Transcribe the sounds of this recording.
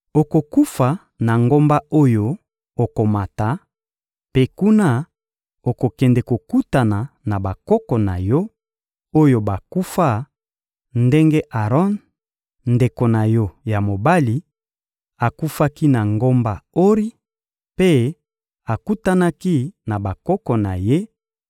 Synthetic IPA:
o˨ko˨ku˦fa˨ | na˨ŋɡo˦mba˦o˦jo˦ | o˨ko˨ma˨ta˨ | pe˦ku˦na˦ | o˨ko˨kɛ˨ndɛ˨ko˨ku˦ta˨na˨na˨ba˨kɔ˦kɔ˨na̰˨jɔ˦ | o˦jo˨ba˨ku˦fa˦ | nde˦ŋɡe˦ʔa˨ʁɔ˦n | nde˨ko˨na˨jɔ˦ja˨mo˨ba˦li˨ | a˨ku˦fa˦ki˦na˨ŋɡo˦mba˨o˦ʁi˦ | pe˦ | a˨ku˦ta˦na˦ki˦na˨ba˨kɔ˦kɔ˨na˨je˦

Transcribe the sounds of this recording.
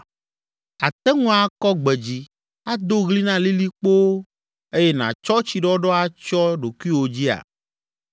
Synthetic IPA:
a˨t̪ɛ˦ŋũ˦a˨kɔ˦ɡ͡bɛ˨d͡ʑi˦ | a˦d̪o˦ɣli˦nã˦li˦li˦k͡po˦ | e˦jɛ˦nã̰˨t͡ʃɔ˦t͡ɕi˨ɖɔ˦ɖɔ˦a˦t͡ʃɔ˦ɖo˨ku˦i˦wo˨d͡ʑi˦a̰˨

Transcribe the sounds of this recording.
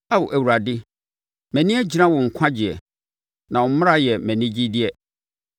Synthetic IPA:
a˦wʊ˨ʔæ˨wu˨ɾa˨dɪ˦ | mɛ̃˨nĩ˦ɛ˦d͡ʑi˦nã˦wɔ˨ŋ̩˨kʷʰã˦d͡ʑɪ˨ɛ̰˨ | nã˨wɔ˨m̩˦mʊ̃˦ɾa˦˨jɛ˨mɛ̃˨nĩ˦d͡ʑi˦dɪ˦ɛ˨

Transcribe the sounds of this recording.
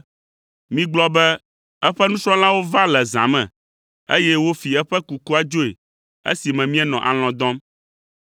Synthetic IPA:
mĩ˦ɡ͡blɔ˦bɛ˦ | ɛ˦ɸɛ˦nũ˦sɾɔ̃˦lã˦wo˦va˦lɛ˨zã̰˨mɛ̰̃˨ | ḛ˦jɛ˦wo˦fi˨ɛ˦ɸɛ˦ku˨ku˦a˦d͡ʒo˦ḛ˨ | ḛ˦si˨mɛ̃˨mĩ˦ɛ˦nɔ̃˨ʔa˨l̃ɔ̃˨d̪ɔ̃˦m

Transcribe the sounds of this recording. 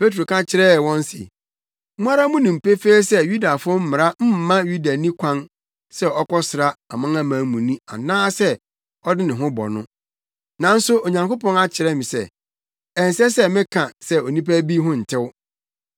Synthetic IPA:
pʰe˦t̬ɾo˨kʰã˦t͡ɕʰɪ˨ɾɛ˦˨wɔ̃˦n˦sɪ̰˨ | mũ˦a˦ɾa˦mʊ̃˦nɪ̃˨m̩˨pe˦feː˦sɛ˦ju˦da˨fʊ˦ʊ˦m̩˦mɪ̃˨ɾa˦m̩˦m̩˦mã˦ju˦da˨nĩ˦kʷʰã˦n | sɛ˦ɔ˦kɔ˦sɪ˨ɾa˦a˨mã˦ŋã˦mãː˨˦mũ˨nĩ˦a̰˨nãː˦sɛ˦ | ɔ˦dɪ˦nɪ̃˨ɦʊ̃˦bɔ̰˨nʊ̰̃˦ | nã˨n̩˦sʊ˦o˨ɲã˨ŋko˦pɔ̃˦ŋa˦t͡ɕʰɪ˨ɾɛ˦mɪ̃˨sɛ̰˦ | ɛ˨n˨sɛ˦sɛ˦mɪ̃˦kʰã˨sɛ˦o˨nĩ˦pæ˦bi˦ɦʊ̃˦n̩˨tʰɪ˦w

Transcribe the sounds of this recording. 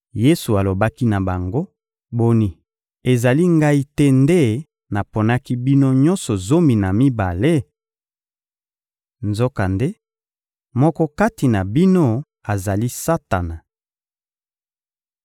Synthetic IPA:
je˦su˨a˨lo˨ba˦ki˦na˨ba˨ŋɡo˦ | bo˨ni˨ | e˨za˨li˦ŋɡa˦i˦tɛ˦nde˦ | na˨po˨na˦ki˦bi˦no˦ɲɔ˦nsɔ˨zo˦mi˨na˨mi˦ba˨le˦ | nzo˦ka˨nde˦ | mɔ˦kɔ˦ka˦ti˨na˨bi˦no˦ | a˨za˨li˦sa˦ta˨na˨

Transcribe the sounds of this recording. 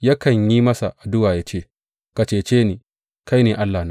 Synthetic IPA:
ja˦kɐ˨ɲji˦mɐ˦sa˨ʔa˨dʊ˦waː˨jaː˦t͡ʃeː˦˨ | ka˨t͡ʃeː˦˨t͡ʃeː˦niː˨ | ka˦jneː˨ʔa˦lːaː˨na˦

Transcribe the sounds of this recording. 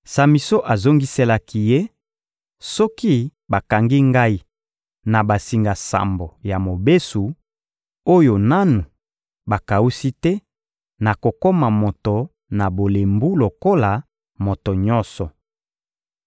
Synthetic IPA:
sa˨mi˨so˦ʔa˨zo˦ŋɡi˦se˦la˦ki˦je˦ | sɔ˦ki˦ba˨ka˨ŋɡi˦ŋɡa˦i˦ | na˨ba˨si˨ŋɡa˨sa̰˨mbo˨ja˨mo˨be˦su˨ | o˦jo˨na˦nu˨ | ba˨ka˨u˦si˦tɛ˦ | na˨ko˨ko˦ma˨mo˨to˨ | na˨bo˨le˨mbu˦lo˨ko˦la˨ | mo˨to˨ɲɔ̃˦sɔ˨

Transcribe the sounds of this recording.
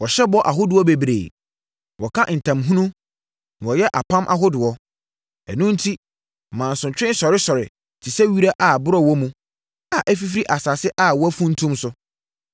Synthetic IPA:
wɔ˨ɕɛ˦bɔ˦ʔa˨ɦʊ˦dɪ˨ɔ˦be˨bɾḛː˨ | wɔ˨kʰã˦n̩˨tʰã˨mɦũ˦nũ˦ | n˨wɔ˨jɛ˦ʔa˨pʰã˦mʔa̰˨ɦʊ˦dʊ˨ɔ˦ | ɛ˨nũ˦n̩˦tʰi˦˨ | mãː˨n̩˨sʊ̃˨t͡ɕᶣɪ̃˦sɔ˨ɾɪ˦sɔ˨ɾɪ̰˨ | tʰi˨sɛ˦ɥi˦ɾa˦ʔa˨bʊ˦ɾɔ˦wɔ˦mũ˨ | a˨ʔæ˦fi˦fɾi˦ʔa˨sa˨sɪ˦ʔa˦wɔ˦æ˦fũ˦n̩˦tʰũ˦msʊ˦

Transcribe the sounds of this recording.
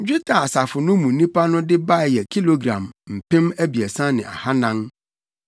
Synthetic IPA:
d͡ʑᶣi˦tʰa˨a˨sa˨fʊ˨nʊ̃˦mũ˨˦nĩ˦pʰa˦nʊ̃˦dɪ˦ba˦˨jɛ˨kʰi˦lo˦ɡɾã̰˨mm̩˨pɪ̃˦mæ˦bi˨ɛ˨sã˦nɪ̰̃˨a̰˨ha˦nã˦ŋ

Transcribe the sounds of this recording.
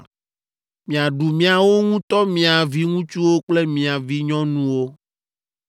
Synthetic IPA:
mĩ˨a˨ɖu˨mĩ˨a˨wo˦ŋũ˦t̪ɔ˦mĩ˨a˨vi˦ŋũ˦t͡ʃu˦wo˦k͡ple˦mĩ˨a˨vi˦ɲɔ̃˦nũ˦wo˦

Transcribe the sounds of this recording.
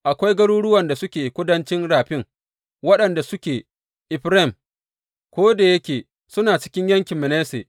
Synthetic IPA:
ʔa˨kʷa˦jɡɐ˦ɽuː˦ɽʊ˦wɐ˨nda˨sʊ˦kʲeː˨kʷʊ˦dɐ˦nt͡ʃɪ˦nɽaː˨ɸɪ˦ŋ | wɐ˦ɗɐ˨nda˨sʊ˦kʲeː˨ | ʔɪ˨ɸɾe˦˨m | kʷoː˦da˨jɐ˦kʲeː˨ | sʊ˦naː˨t͡ʃɪ̥˦kʲɪ˦ɲjɐ˦ŋkʲɪ˨mmɛ˨neː˦sḛː˨ʔ

